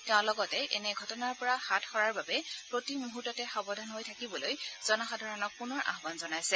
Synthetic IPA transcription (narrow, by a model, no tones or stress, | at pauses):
tɛʊ̃lɔɡɔtɛʔɛnɛɡʱɔtɔnaɹpɔɹaxatʰxɔɹaɹbabɛpɹotimoɦutːɔtɛxɔbɔdʱanɦojtʰakibɔlojz̥ɔnaxadʱaɹɔnɔk̚punɔɹʔa̰ɦbanzɔnajsɛ